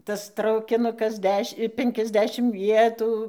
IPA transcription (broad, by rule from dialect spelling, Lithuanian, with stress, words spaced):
ˈtɐs trɐʊkʲɪˈnʊkɐs ˈdʲɛʃʲ ˈpʲɛŋʲkʲɛzʲˌdʲæːʃʲɪm ˈʋʲiɛtuː